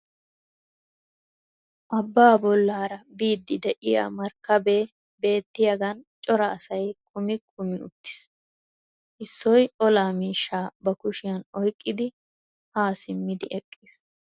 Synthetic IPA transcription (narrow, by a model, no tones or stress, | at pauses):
ʔɐbːaːbɔlːaːɾɐbiːd̪ːɪd̪ɛʔɪja̰ːmɐɾkːɐbeː | be̞ːt̪ːɪjɐɡɐnt͡ʃʼɔɾɐːsɐjkʰʼʊmɪkʰʼʊmɪʊ̰t̪ːɪ̥s | ʔɪsːɔjɔlaːmiːʃːaːbɐkʊʃɪjɐnɔjkʼːɪd̪ɪ | haːsɪmːɪd̪ɪʔɛkʼːiːs